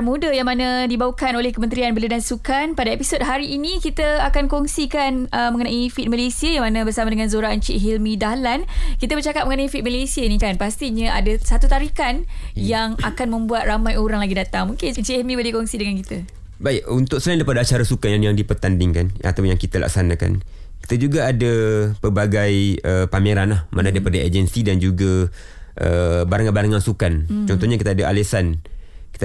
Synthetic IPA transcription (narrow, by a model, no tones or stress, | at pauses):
mudəjaŋmanãdibawukanolɛhkəmənt̪ɾianbələdansukanpadaepisod̚ɦaɾiːnĩkit̪əakankɔŋsikanʔəmə̃ŋənãʔifit̪̚məlesiəjaŋmanãbərsamadəŋanzoɾant͡ʃiʔɦilmĩdahlankit̪əbərt͡ʃakap̚məŋənaifit̪̚məlesiəinĩkanpast̪iɲaʔa̰dasat̪ut̪aɾikanjaŋakanmə̃mbuat̪̚ramãjoɾaŋlaɡidat̪aŋmuŋkɪnnt͡ʃemĩbəlikɔŋsidəŋankit̪ə | baɪk̚unt̪ʊk̚səlajndaipadaat͡ʃaɾasukanjanjaŋdipərt̪andɪŋkana̰t̪ajaŋkit̪əlʔa̰ksanaka̰n | ki̥t̪əd͡ʒuɡaːdapəbaɡajəpameɾanlahmanadaipadaed͡ʒənsidand͡ʒuɡa | ʔəbaɾaŋanbaɾaŋansukant͡ʃɔnt̪ɔɲakit̪adaʔa̰lesanki̥t̪